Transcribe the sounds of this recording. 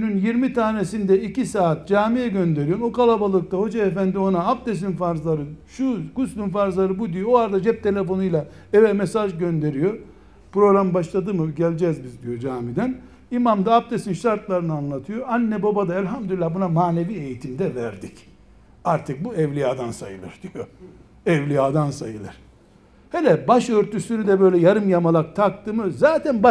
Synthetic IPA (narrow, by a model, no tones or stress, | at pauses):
ynynjiɾmit̪ʰaːnesind̪ɛicisaːt̪̚d͡ʒaːmijɛɟø̞nd̪eɾijookalˠabalˠɯk̚t̪ʰaho̞d͡ʒaefænd̪io̞naːpd̪es̬infaɾzlˠaɾɯʃuɡ̥uslʲymfaɾzlˠaɾɯbud̪ijooaɾd̪ad͡ʒɛp̚t̪ʰe̞lʲe̞fo̞nujlˠa | ɛvɛmesaʒɟø̞nd̪e̞ɾijo | pɾo̞ɣɾambaʃlˠad̪ɯmɯɟɛlʲd͡ʒɛzbizd̪ijo̞d͡ʒaːmid̪æn | imamd̪aːp̚t̪ʰesinʃaɾt̪lˠaɾɯnɯanlˠat̪ʰɯjoanːɛbobad̪aɛlʲɦamd̪ylʲilʲːabunamaːne̞viːe̞jit̪ʰimd̪ɛvæɾd̪ic | aɾt̪ʰɯk̚buɛvlʲijaːd̪ansa̰jɯ̰lˠɯ̰ɾd̪ijo | ɛvlʲijaːd̪ansajɯlˠɯɾ̥ | helʲɛbaʃøɾt̪ʰysynyd̪ɛbø̞jlʲɛjaɾɯmjamalˠak̚t̪ʰak̚t̪ʰɯmɯzaːt̪ʰænba